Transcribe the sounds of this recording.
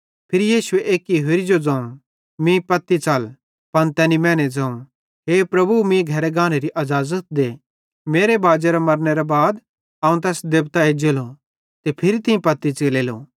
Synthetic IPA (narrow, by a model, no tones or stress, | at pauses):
pʰɪɾijiːʃʊeʔeːkiɦɪɾid͡ʒod͡zɐ̃ːũ | mĩpɐt̪ːit͡sɐl | pɐnt̪ɛːnimɛ̃ːned͡zɐ̃ːũ | ɦeːpɾɐbumĩɡʱɐɾeɡãːñeɾiʔɐzaːzət̪̚d̪eː | meːɾebaːd͡ʒeɾamɐɾneɾabaːd̪ | aːũt̪̬ɛːsd̪eːbt̪aed͡ʒelo | t̪epʰɪɾit̪ɪ̃ĩpɐt̪ːit͡seːleːlo̰ː